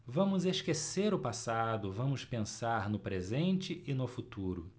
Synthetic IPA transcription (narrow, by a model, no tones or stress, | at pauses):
vɐ̃mʊzeʃkeseɾʊpasad̪ʊvɐ̃mʊspẽsaɾnʊpɾezẽnt͡ʃɪʔɪnʊfut̪uɾʊ̰